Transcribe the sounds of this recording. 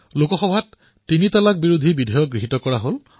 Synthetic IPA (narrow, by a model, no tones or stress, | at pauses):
lokɔxɔbʱatː | initalak̚biɹud̪ʱibidʱɔjɔɡɹiɦitɔkɔɹaɦol